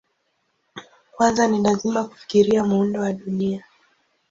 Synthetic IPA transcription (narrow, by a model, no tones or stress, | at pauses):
kwanzanilazimaku̥fi̥kiɾiamuundɔwaɗunia